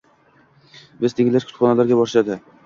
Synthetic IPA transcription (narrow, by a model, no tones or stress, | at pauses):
bɪzt̪ʰeŋʲɪlaɾkʰʊ̥t̪χɒnalaɾɡʲabɒɾʃad̪ɪ